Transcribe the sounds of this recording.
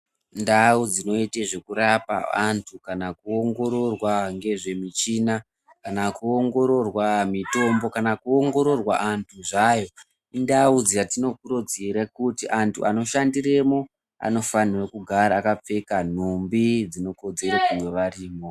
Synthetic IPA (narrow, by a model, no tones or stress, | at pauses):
ndaud͡zino̞iteʐe̞kuɾapa̰a̰ntʰukanakuoŋɡo̞ɾo̞rwaŋɡe̞ʐe̞mit͡ʃina | kanakuoŋɡo̞ɾo̞rwamito̞mbo̞kanakuoŋɡo̞ɾo̞rwaʔantʰuʐajo̞ | ndaud͡zijatino̞kuɾod͡ziɾekutiʔantʰuʔano̞ʃandire̞mo̞ | a̰no̞fanirekuɡʱaɾaːkap͡fe̞kan̤umbid͡zino̞ko̞d͡ze̞ɾekujoʋariːmo